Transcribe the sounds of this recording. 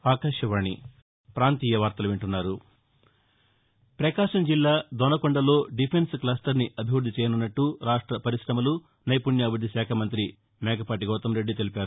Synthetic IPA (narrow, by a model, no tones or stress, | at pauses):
aːkaːʂjɐʋaːɳi | pɾaːnt̪iːjɐʋaːɾt̪ɐluʋeɳʈunːaːɾu | pɾɐkaːʂɐmd͡ʒilːaːd̪ɔnɐkɔɳɖɐlo̞ːɖipʰensklaːsʈɐɾniʔɐbʱiʋuɾd̪it͡ʃɛːjɐnunːɐʈːuɾaːʂʈɾɐpɐɾiʃɾɐmɐlu | nɐjpuɳjaːʋud̪ːiʃaːkʰɐmɐnt̪ɾi | mɛːɡɐpaːʈ̬iɡɔːt̪ɐmɾe̞ɖːit̪e̞lipaːɾu